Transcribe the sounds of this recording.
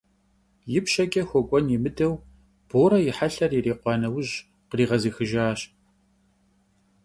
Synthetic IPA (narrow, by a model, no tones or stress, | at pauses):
jɪpʃɐkʼɐxʷɔkʷʼɔnjimɨdɐw | b̥oːɾɐjɪħaɬɐriːreːqʷɑːnɐwʊʑ | qəriːʁɐziːxɨʒaːɕ